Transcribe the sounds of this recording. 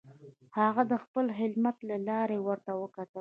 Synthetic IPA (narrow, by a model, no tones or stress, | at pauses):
haɣad̪əxpəlxɪlmat̪lalɑɾewəɾt̪awəkat̪ə